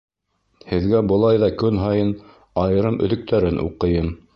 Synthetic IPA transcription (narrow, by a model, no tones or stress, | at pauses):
hɘ̆ðɡæbɤ̆lˠɑjðɑkɵnɦɑjɤn | ɑjɤ̆ɾɤmɵ̰̆ðɵ̆k̚t̪æɾɘnʔṵqɤ̆jɤm